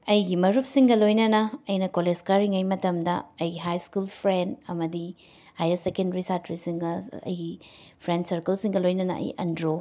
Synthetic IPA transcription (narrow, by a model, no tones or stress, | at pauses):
ɐjɡimɐɾup̚siŋɡɐlojnɐnɐɐjnɐkoled͡ʒkɐɾiŋɐjmɐtɐmdɐ̰ːjɡiɦajskulpʰɾendɐmɐdi | hajɐsekendɾisatɾisiŋɡɐɐ̰jɡipʰɾensɐɾkɐlsiŋɡɐlojnɐnɐ̰ʔɐ̰jɐ̰ndɾo